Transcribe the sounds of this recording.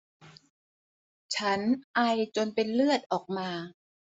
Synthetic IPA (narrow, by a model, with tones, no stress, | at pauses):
t͡ɕʰa˦˥nʔa˧jt͡ɕo˧npe˧nlɯ˥˩ət̪̚ʔɔː˨˩k̚maː˧